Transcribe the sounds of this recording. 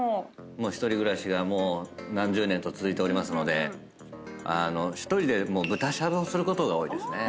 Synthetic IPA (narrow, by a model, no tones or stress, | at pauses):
amo̞ːçi̥t̪o̞ɾʲiɡɯ̟ɾaɕiɡamo̞ːnãɲ̟d͡ʑɨːnẽ̞nt̪ot͡sɨzɨit̪e̞oɾʲimasɨno̞d̪e̞̰ | ano̞çi̥t̪o̞ɾʲid̪e̞mo̞ːbɯ̟t̪aɕad̪o̞ːsɨɾɯ̟ko̞t̪o̞ɡao̞ːid̪e̞sɨne